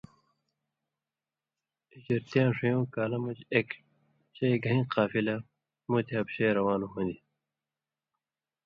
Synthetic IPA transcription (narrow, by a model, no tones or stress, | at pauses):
id͡ʑɐɾt̪ijãːʂijõːkaːlɐmud͡ʑek | ɕejɡʱɐ̃ɦĩːqaːfilɐ | mut̪ʰiɐpɕeːɾɐwaːnuɦõnd̪i